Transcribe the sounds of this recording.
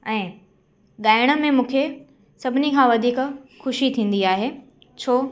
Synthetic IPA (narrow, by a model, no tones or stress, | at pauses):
ɛ̃ː | ɠaːɪɽ̃ə̆mẽmũːkʰe | sɐbʱɪnikʰãʋɐd̪ʱiːkxʊʃit̪ʰĩːn̆d̪iaːɦe | t͡ɕʰoː